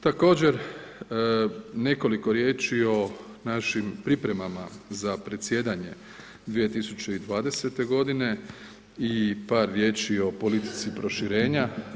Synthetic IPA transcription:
t̪ako̞ːd͡ʑe̞ɾ | ne̞ko̞liko̞ɾje̞ːt͡ʃio̞ | naʃimpɾipɾe̞mamazapɾe̞t̪sje̞ːd̪aɲe̞ | d̪ʋije̞t̪isut͡ɕe̞id̪ʋaːd̪e̞se̞t̪e̞ɡo̞d̪ine̞ | ipaːɾːje̞ːt͡ʃio̞po̞lit̪i̥t̪sipɾo̞ʃiɾe̞ːɲa

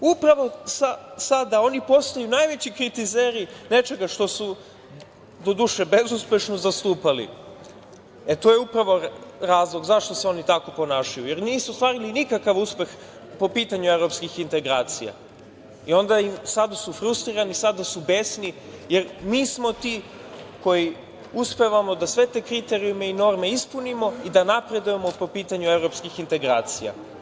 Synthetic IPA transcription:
upɾaʋo̞sasad̪ao̞nipo̞st̪ajunajʋe̞t͡ɕikɾit̪izeːɾine̞t͡ʃe̞ɡaʃt̪o̞su | d̪o̞d̪uʃe̞be̞zuspʲe̞ʃnozast̪uːpalḭ | et̪ojeupɾaʋo̞ɾaːzlˠo̞ɡzaʃt̪o̞seo̞nit̪ako̞po̞naːʃajuje̞ɾniːsuost̪ʋaːɾilinikakaʋuspe̞x | po̞piːt̪aɲue̞vɾo̞pskixint̪e̞ɡɾaːt̪sija̰ | io̞nd̪aimsad̪asufɾust̪ɾiɾanisad̪asubesni | je̞ɾmiːsmo̞t̪i | ko̞ji | uspe̞ʋamo̞d̪asʋe̞t̪e̞ːkɾit̪e̞ɾiume̞ino̞ɾme̞ispunimo̞id̪anapɾe̞d̪uje̞mopo̞piːt̪aɲue̞vɾo̞pskixint̪e̞ɡɾaːt̪sija̰

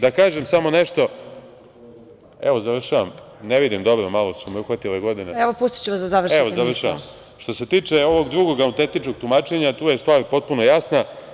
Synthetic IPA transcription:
d̪akaːʒemsamo̞neʃt̪o̞ | eʋozaʋr̩ʃaʋam | neʋid̪imd̪o̞bɾomalosumeuxʋat̪ileɡo̞d̪ineɛʋopust̪i̥t͡ɕuʋasd̪azaʋr̩ʃeʋozaʋr̩ʃaʋa̰m | ʃt̪o̞se̞t̪iːt͡ʂeo̞ʋo̞ɡd̪ɾuɡo̞ɡaunt̪et̪it͡ʃkoɡ̚t̪umaːt͡ʃe̞ɲat̪uːje̞st̪ʋaːɾpo̞t̪̚puno̞jasna

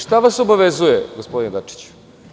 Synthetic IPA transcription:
ʃt̪aʋaso̞baʋezujeɡospd̪ined̪at͡ʂi̥t͡ɕ

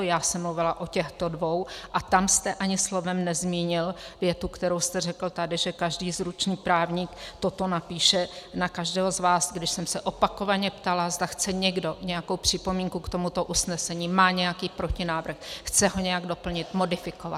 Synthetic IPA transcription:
jaːsɛmːluvɪlaʔo̞cɛxt̪odvowʔat̪amst̪ɛʔaɲɪslo̞vɛmnɛzmiːɲɪlvjɛt̪ukt̪ɛɾo̞wst̪ɛr̝ɛkl̩t̪adɪʒɛkaʒdiːzɾut͡ʃniːpɾaːvɲikt̪o̞t̪o̞napiːʃɛnakaʒdɛːɦozvaːsɡdɪʃsɛmsɛʔo̞pako̞vaɲɛpt̪alazd̪axt͡sɛɲɛɡdo̞ɲɛjako̞wpr̝̥ɪpo̞miːŋkukt̪o̞mut̪o̞ʔusnɛsɛɲiːmaːɲɛjakiːpɾo̞cɪnaːvr̩xxt͡sɛɦo̞ɲɛjaɡdo̞pl̩ɲɪt̪mo̞dɪfɪkova̰t̪̚

